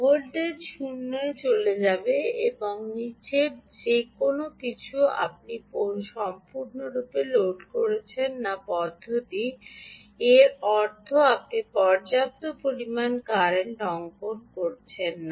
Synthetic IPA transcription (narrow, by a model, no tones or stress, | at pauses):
ɦolɖeɾʃunːoet͡ɕoled͡ʑabeeboŋnit͡ɕeɾd͡ʑekonokit͡ɕʰua̰p̚nipoʃɔmpuɾnoɾupeloɖkoɾet͡ɕʰenːapɔd̪ʱːot̪i | eɾɔɾt̪ʰoap̚nipɔɾd͡ʑap̚t̪opɾoɾimankaɾeɳʈɔŋkonkoɾt͡ɕʰenːa